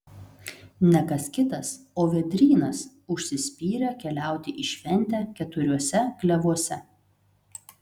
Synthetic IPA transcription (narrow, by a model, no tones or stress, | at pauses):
nʲɛkɐskʲɪt̪ɐs | oːʋʲɛd̪ʲɾʲiːnɐs | ʊʃʲsʲɪsʲpʲiːɾʲɛkʲɛlʲæˑʊt̪ʲɪʔɪʃʲʋʲɛnʲˑt̪ʲæːkʲɛt̪ʊɾʲuɔsʲɛɡlʲɛʋuɔsʲɛ